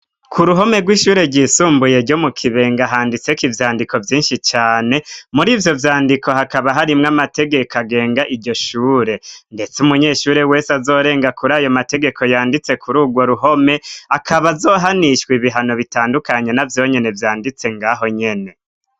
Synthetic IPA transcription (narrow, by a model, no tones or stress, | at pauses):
kʰuɾuɦo̞me̞ɡwiʃuːɾe̞ɾɟiːsuːmbuje̞ɾɟo̞mukʰiβe̞ːŋɡaɦaːndit͡se̞kivjaːndikʰo̞vjiːnʃit͡ʃaːne̞muɾiːvjo̞vjaːndiko̞hakaβaɦaɾimŋamate̞ɡe̞kaɡe̞ːŋɡaʔiɾɟo̞ʃuːɾe̞nde̞t͡sumuɲe̞ːʃuːɾe̞we̞ːsazo̞ːɾe̞ːŋɡakuɾaːjo̞mate̞ɡe̞ko̞jaːndit͡se̞kʰuɾuːɡwo̞ɾuɦo̞me̞akʰaβazo̞ːɦaniʃɡwiβiɦano̞βitaːndukaɲe̞navjo̞ɲe̞ne̞vjaːndit͡se̞ŋɡaɦo̞ɲe̞ne̞